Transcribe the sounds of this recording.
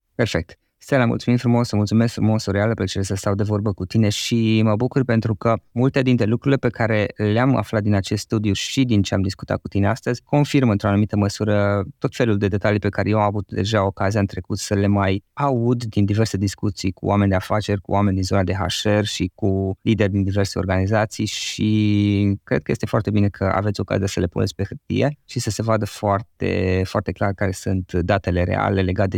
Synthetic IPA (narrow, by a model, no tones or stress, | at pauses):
pe̞rfe̞k̚t̪ | st̪elamṵlt̪sumimfɾumo̞səmult̪sumeskfɾumo̞soɾealəplət͡ʃeɾesəst̪awd̪e̞vo̞rbəkut̪ine̞ʃiməbukurpe̞nt̪ɾukəmult̪e̞d̪int̪ɾe̞lukɾuɾile̞pe̞kaɾe̞leama̰flat̪̚d̪inat͡ʃe̞st̪st̪ud̪iuʃid̪int͡ʃeamd̪iskut̪a̰t̪̚kut̪ine̞ast̪əzʲko̞nfirmɨnt̪ɾoanumit̪əməsuɾət̪o̞t̪fe̞luld̪e̞d̪e̞t̪alijpe̞kaɾe̞jewamavut̪d̪e̞̰ʒao̞kaziaɨnt̪ɾe̞kut̪səle̞majaud̪d̪ind̪ive̞rse̞d̪iskut̪sijkṵʔame̞nʲd̪e̞afat͡ʃe̞rʲkṵwame̞nʲd̪inzo̞nad̪e̞ɦa̰ʃerʲʃikulid̪erʲd̪ind̪ive̞rseo̞rɡanizat̪sijʃi | kɾed̪̚kəje̞st̪e̞foa̰rt̪e̞bine̞kʰəa̰ve̞t̪sʲoka̰ziasəle̞punet̪sʲpe̞hɨrt̪ḭje̞ʃisəse̞vad̪əfoart̪e̞̰foart̪e̞klarkaɾe̞sunt̪d̪at̪e̞le̞ɾḛa̰le̞le̞ɡat̪̚d